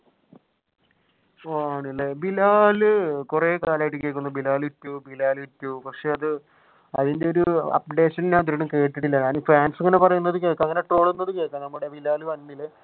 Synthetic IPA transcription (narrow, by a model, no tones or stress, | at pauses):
oːaːɳilːebilaːlɨkureːkaːlaːjiʈːɨkːe̞ːkːunːbilaːlitːuʋubilaːlɨitːuupɐkʂe̞ɐðɨ | ɐ̰ðinde̞o̞ɾuɐ̰p̚ɖe̞ːʂɐnnaːnt̪uɾuɳɐmke̞ːʈːiʈːilːɐɲaːnufaːnsɐŋːɐnepɐrɐjunːɐðɨke̞ːkːɐŋːɐne̞ʈro̞ːɭunːɐðɨke̞ːkːɐnɐmːuɽe̞bilaːlɨʋɐnːilːe